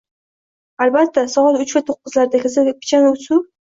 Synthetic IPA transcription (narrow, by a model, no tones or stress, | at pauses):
albat̪ːasɒʁɒlʊt͡ʃvat̪ʰoqːɨzlaɾd̪akʲasapʰʲɪ̥t͡ʃʰanʊsʊ